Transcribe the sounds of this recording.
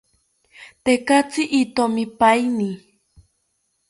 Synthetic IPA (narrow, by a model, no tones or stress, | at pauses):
t̪ekat͡siʔit̪omipajni